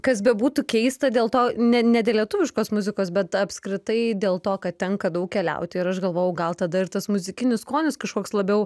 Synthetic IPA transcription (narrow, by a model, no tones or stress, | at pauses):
kɐs̬bʲɛbuːt̪ʊkʲɛɪst̪ɐd̪ʲeːlˠt̪oːnʲɛnʲɛdʲeːlʲiɛt̪ʊʋʲɪʃkoːsmʊzʲɪkoːs̬bʲɛt̪ɐpskɾʲɪt̪ɐɪd̪ʲeːlˠt̪oːkɐttʲɛŋkɐd̪ɐʊk̚kʲɛlʲɛ̰ʊt̪ʲɪɪɾɐʃɡɐlˠʋoːjɛʊɡɐlˠt̪ɐd̪ɐɪɾt̪ɐsmʊzʲɪkʲɪnʲɪskoːnʲɪskɐʃkoːkslˠɐbʲɛʊ